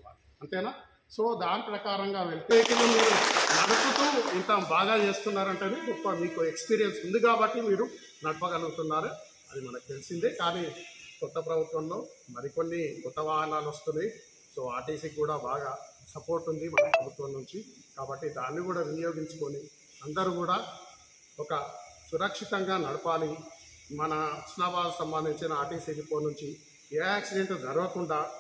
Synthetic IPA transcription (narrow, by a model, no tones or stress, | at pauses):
ɐnt̪ɛːnaː | so̞ːd̪aːnipɾɐkaːɾɐŋɡaːʋe̞ɭit̪eek̪ilɐmiɾunɐɽɐkut̪uint̪ɐbaːɡaːt͡ʃe̞ːst̪unːaːɾɐɳʈɐːniupːɐmiːkuekspiːɾijɐnsund̪ukaːbɐʈːimiːɾu | nɐɽɐpɐɡɐluɡut̪unːaːɾu | ɐd̪imɐnɐkut̪e̞lisind̪ekaːniːkɔt̪ːɐpɾɐbʱut̪ʋɐmlo̞ːmɐɾiko̞nːikɔt̪ːɐʋaːɦɐnaːlʋɐst̪unːiji | soːaːʈiːsikːuːɽaːbaːɡaː | sɐpo̞ːɾʈːund̪imɐnɐpɾɐbʱut̪ʋɐmnuɲt͡ʃi | kaːbɐʈːid̪aːnːikuːɽaːʋinijo̞ːɡiɲt͡ʃu̥koni | ɐnd̪ɐɾuːkuːɽaː | ɔkɐsuɾɐkʂit̪ɐŋɡaːnɐɽupaːli | mɐnɐsnaːbaːlɐkusɐmbɐnd̪ʱiɲt͡ʃinɐaːʈiːselipo̞ːnuɲt͡ʃi | eːaːksiɖe̞ɳʈd͡ʒɐɾɐʋɐkuɳɖaː